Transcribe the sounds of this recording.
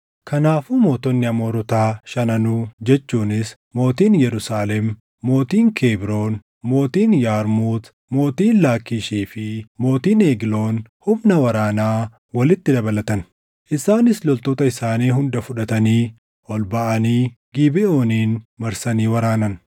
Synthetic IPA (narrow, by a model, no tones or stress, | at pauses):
kʰɐnaːfuːmo̞ːt̪ɔnːɪɐmo̞ːɾɔt̪aːʃɐnɐnʊd͡ʒɛt͡ʃːuːnɪs | mo̞ːt̪iːnjɛɾʊsaːlɛmː | o̞ːt̪iːŋkʰeːbɾo̞ːn | mo̞ːt̪iːnjaːɾmuːt̪ | mo̞ːt̪iːnlaːkːiːʃiːfɪmo̞ːt̪iːneːɡɪlo̞ːnhʊmnɐwɐɾaːnaː | wɐlɪt̪ːɪd̪ɐbɐlɐt̪ɐn | ʔɪsaːnɪslɔlt̪oːt̪ɐɪsaːniːɦʊnd̪ɐfʊᶑɐt̪ɐniː | ʔɔlbɐʔɐniː | ɡ̥iːbɪo̞ːniːnmɐɾsɐniːwɐɾaːnɐn